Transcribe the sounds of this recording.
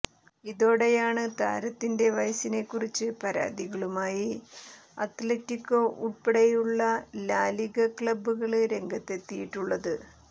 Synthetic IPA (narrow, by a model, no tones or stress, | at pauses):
iðo̞ːɽe̞jaːɳɨt̪a̰ːɾɐt̪ːinde̞ʋɐjsine̞kːurit͡ɕːɨpɐɾa̰ːd̪iɣɐɭumaːji | ɐ̰t̪letːikːo̞ːʔuɭpeɽejuɭːɐlaːliɣɐkɭɐbuɣɐɭɨɾe̞ŋɡɐt̪ːe̞t̪ːijiʈːuɭːɐðɨ